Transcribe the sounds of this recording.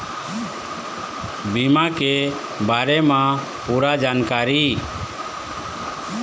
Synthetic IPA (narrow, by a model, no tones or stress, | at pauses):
bimakɛ | baɾɛmã | puɾad͡ʒankaɾi